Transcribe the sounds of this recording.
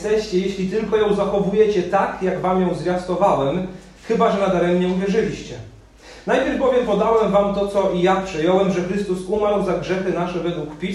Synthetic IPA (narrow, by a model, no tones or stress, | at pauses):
t̪ɛɕt͡ɕɛjeɕlʲit̪ɘlkɔjɔ̃w̃zaxɔvujɛt͡ɕɛt̪akjaɡvamjɔ̃w̃zvʲjast̪ɔvawɛm | xɘbaʐɛnad̪aɾɛmɲɛũvʲjɛʐɘlʲiɕt͡ɕɛ | najpʲjɛɾvbɔvʲjɛmpɔd̪awɛmvamt̪ɔt̪sɔʔijapʂɛjɔwɛmʐɛxɾɘst̪usumaɾwzaɡʐɛxɘnaʂɛvɛd̪wukpʲi